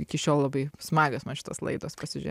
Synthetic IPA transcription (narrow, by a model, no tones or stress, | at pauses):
ɪkʲɪʃʲoːlˠlˠɐbɐɪsmɑːɡʲosmɐnʃʲɪ̥t̪oːslˠɐ̰ɪd̪o̰ːspɐsʲɪʒ̰ʲ